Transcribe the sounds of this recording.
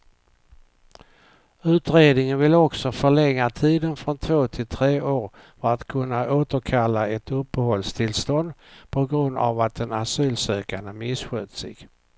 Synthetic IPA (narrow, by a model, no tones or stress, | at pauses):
ʉ̟ːt̪ɾeːd̪nɪŋənvɪlːɔksɔfœɭɛŋːat̪ʰiːd̪ənfɾɔnt̪ʰvoːt̪ʰɪlt̪ʰɾeːʔoːɾ | fœɾat̪kʰɵnːaʔoːt̪əɾkʰalːaɛt̪ɵpːəhɔlst̪ʰɪlst̪ɔnd̪pʰɔɡɾɵnd̪a̰vat̪̚d̪ɛnasyːlsøːkaɳəmɪsɧøːt̪sɪ̰ɡ̥